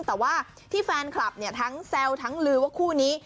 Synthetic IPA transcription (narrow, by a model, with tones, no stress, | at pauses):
ŋt̪ɛː˨˩waː˥˩ | t̪ʰiː˥˩fɛː˧nkʰla˨˩p̚ni˥˩ɐt̪ʰa˦˥ŋsɛ˧wt̪ʰa˦˥ŋlɯː˧wa˥˩kʰuː˥˩niː˦˥